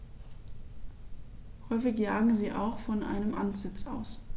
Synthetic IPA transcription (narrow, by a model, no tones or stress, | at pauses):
hɔʏfɪçjaːɡŋ̩ziːʔa̰ʊxfɔnʔa̰ɪnəmʔantz̥ɪt͡sʔa̰ʊs